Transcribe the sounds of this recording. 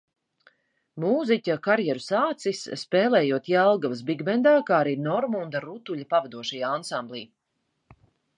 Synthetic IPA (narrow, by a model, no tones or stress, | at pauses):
muːzicʲakaɾjɛɾusaːt̪sisːpɛːlˠɛːjuɔt̪jalˠɡavɐs̬biɡmɛnd̪aːkaːaɾiːnɔɾmund̪aɾut̪uʎʲapavad̪uɔʃɛjaansamblˠḭː